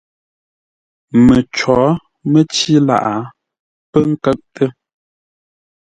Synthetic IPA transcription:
mə˨t͡ʃɔ˨˦ | mə˦t͡ʃi˦la̰˦˨ʔa˨˦ | pə˦ŋ̩˦kə˦ʔ̚tʰə˦

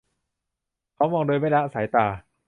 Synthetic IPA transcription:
kʰa˦˥wmɔː˧ŋdoː˧jma˥˩jla˦˥ʔa˧saː˩˦jt̪aː˨˩

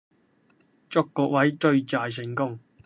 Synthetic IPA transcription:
t͡sʊ˥kːɔː˧k̚wɐ˨˥jt͡ʃɵ˧ɥt͡saː˨˧js̬ɪ˨˩ŋkʊ˥ŋ

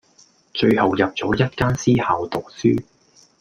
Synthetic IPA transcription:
t͡ʃɵ˧ɥhɐ˨wjɐ˨p̚t͡sɔː˨˥jɐ˥t̚kaː˥nsiː˥haː˨wt̪ʊ˨k̚syː˥

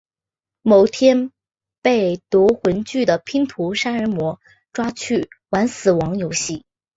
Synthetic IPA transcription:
mo˨˩ʊt̪ʰjɛ˥n | pe˥˩ɪt̪wɔ˧˥xwə˧˥nt͡ɕy˥˩d̪ə˩pʰi˥ŋt̪ʰu˧˥ʂa˥nə˧˥mwɔ˧˥ | ʈ͡ʂwa˥t͡ɕʰy˥˩wa˧˥nsɹ̩˨˩wɑ˧˥ŋjo˧˥ʊɕi˥˩

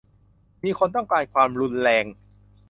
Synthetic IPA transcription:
miː˧kʰo˧nt̪ɔ˥˩ŋkaː˧jkʰwaː˧mɾu˧nɾɛː˧ŋ

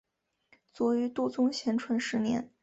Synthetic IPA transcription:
t͡swɔ˧˥y˧˥t̪wɔ˥˩t͡sʊ˥ŋɕjɛ˧˥nʈ͡ʂʰwə˧˥nʂɻ̩˧˥njɛ̰˧˥n

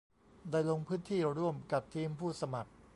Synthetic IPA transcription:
da˧˥˩jlo˧ŋpʰɯː˦˥nt̪ʰiː˥˩ɾu˥˩əmka˨˩p̚t̪ʰiː˧mpʰuː˥˩sa˧ma˨˩k̚

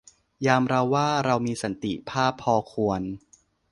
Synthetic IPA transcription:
jaː˧mɾa˧wːaː˥˩ɾa˧wmiː˧sa˩˦nt̪ḭ˨˩pʰaː˥˩pʰːɔː˧kʰu˧ən

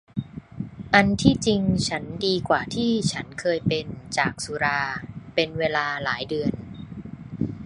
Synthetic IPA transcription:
ʔa˧nt̪ʰiː˥˩t͡ɕi˧ŋt͡ɕʰa˦˥ndiː˧kwaː˨˩t̪ʰiː˥˩t͡ɕʰa˦˥nkʰɤː˧jpe˧nt͡ɕaː˨˩k̚su˧˦ɾaː˧pe˧nweː˧laː˧laː˩˦jdɯ˧ən

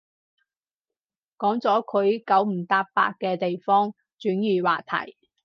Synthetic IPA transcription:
kɔː˨˥ŋt͡sɔː˨˥kʰɵ˨˧ɥkɐ˨˥wm̩˨˩t̪aː˧pa̰ː˧t̚kɛː˧t̪e˨jfɔː˥ŋ | t͡ʃyː˨˥njyː˨˩waː˨˩t̪ʰɐ̰˨˩j

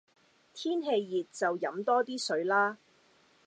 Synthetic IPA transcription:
t̪ʰiː˥nɦe˧jːiː˨t̚t͡sɐ˨wjɐ˨˥mt̪ɔː˥t̪iː˥sɵ˨˥ɥlaː˥

